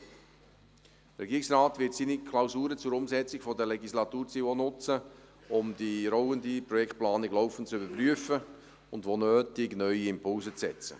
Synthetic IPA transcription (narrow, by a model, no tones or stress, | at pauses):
əɾɛɡiːɾɪksraːtvɪtsinikʰlaʊsuːɾət͡sʊɾʊmzɛt͡sɪɡfɔdəlɛɡislɑtuːɾt͡sionʊt͡sə | ʊmdiɾɔʊəndipɾɔjɛkt̚plɑːnɪɡlɔʊfən̩tt͡sybəpryəfə | ʊndʋonøːtɪɡnœʏiɪmpʰʊlzət͡sɛt͡sə̰